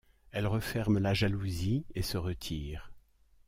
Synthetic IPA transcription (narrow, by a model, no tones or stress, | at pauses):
ɛlʁəfɛʁmlaʒaluziesəʁət̪ʰiːʁ